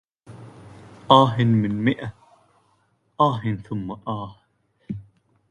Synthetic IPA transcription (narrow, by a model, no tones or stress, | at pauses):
ʔɑːħɪnmɪnmɪʔa | ʔɑːɦɪnθʊmːaʔɑːh